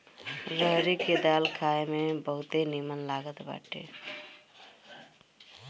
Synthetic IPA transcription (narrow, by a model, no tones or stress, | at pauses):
ɾəɦɾiked̪alkʰaemebəɦut̪enimənlaɡət̪ba̰ʈʰḛ